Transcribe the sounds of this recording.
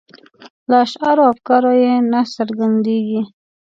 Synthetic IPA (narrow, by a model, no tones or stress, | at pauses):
lɑʃaɾoafkɑɾojenasaɾɡand̪eɡi